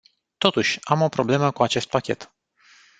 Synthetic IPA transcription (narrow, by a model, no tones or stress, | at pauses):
t̪o̞t̪uʃʲamo̞pɾo̞ble̞məkuat͡ʃe̞st̪̚pakʲe̞̰t̪